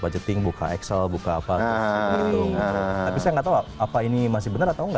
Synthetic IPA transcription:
bad͡ʒət̪ɪŋbuka̰ɛksəlbukaːpaaiuɾʊŋiut̪apisajaŋɡat̪aaapainimas̬ɪhbənərat̪auŋɡa

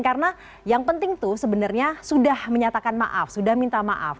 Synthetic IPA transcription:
karəna | jaŋpənt̪ɪŋt̪usəbənarɲasudahməɲat̪akanma̰ʔa̰fsudahmint̪ama̰ʔa̰f

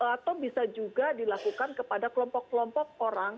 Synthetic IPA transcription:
at̪awbisad͡ʒuɡadilakukankəpadakəlɔmpɔkːəlɔmpɔk̚oɾaŋ

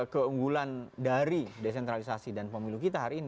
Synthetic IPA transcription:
kəuŋɡulandaɾides̬ɛnt̪ɾalisasidanpəmilukit̪aɦaɾiːni

